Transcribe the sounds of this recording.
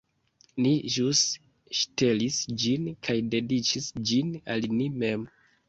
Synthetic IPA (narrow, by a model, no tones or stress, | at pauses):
niʒus | ʃte̞lisd͡ʒinkʰajde̞dit͡ʃisd͡ʒinalnime̞m